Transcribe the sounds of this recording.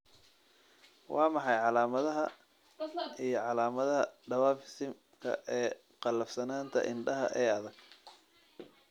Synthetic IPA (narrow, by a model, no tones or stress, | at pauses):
wʔɑːmɑħɑjʕɑlaːmɐðɐɦɐ | ijɞʕɑlaːmɐðɐɦɐ̰ɖɐwaːfɪsɪm | kʰɐ̰ʔɛː | qɑlːɐfsɐnaːnt̪ʰɐ̰ʔɪnɖɐɦɐ̰ʔɛːɐðɐɡ̥